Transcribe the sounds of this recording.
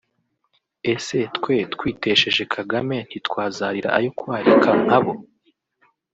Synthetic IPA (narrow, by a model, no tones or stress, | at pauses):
e̞se̞tkwetkwiːte̞ʃe̞ʒe̞kʰaɡame̞n̥itkwaːzaːɾiɾa̰ʔa̰jokwaːɾikaŋ̥haβo̞